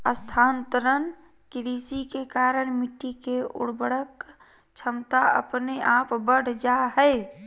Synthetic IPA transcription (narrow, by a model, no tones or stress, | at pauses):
əst̪ʰaːnt̪əɾən | kɾiːsikekaːɾəɽmɪʈːikeʊ̰ɽbəɽək | t͡ʃʰəmt̪aə̰pneʔaːpbəɽ̤ʱd͡ʒaɦɛe